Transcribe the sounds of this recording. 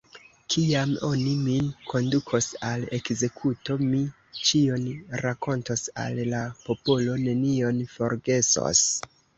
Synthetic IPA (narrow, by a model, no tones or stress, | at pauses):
kʰiamo̞niminkʰo̞ndukʰo̞sale̞kze̞kʰuto̞mi | t͡ʃionɾako̞ntosa̰llapo̞po̞lo̞ne̞nio̞nfo̞ɾɡe̞so̰s